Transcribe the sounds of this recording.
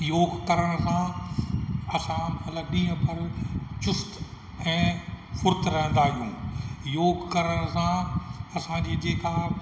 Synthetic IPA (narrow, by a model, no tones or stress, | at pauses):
joːɡkɐɾəɽ̃sã | ɐsãmɐt̪ləbɗĩːə̃pʰɐɾt͡ɕʊst̪ | ɛ̃ːfʊɾt̪ɾɐɦə̃nd̪aːɦijũːjoːɡkɐɾəɽ̃sãɐsãd͡ʑiːd͡ʑeːkʰãː